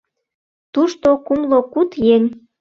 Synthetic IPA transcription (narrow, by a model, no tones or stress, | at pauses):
t̪uʃt̪okumlokut̪jenʲ